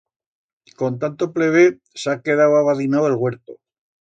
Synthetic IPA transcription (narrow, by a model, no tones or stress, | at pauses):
ko̞nt̪ant̪o̞ple̞βe | sake̞ð̞awaβaðinawelɣwe̞ɾt̪o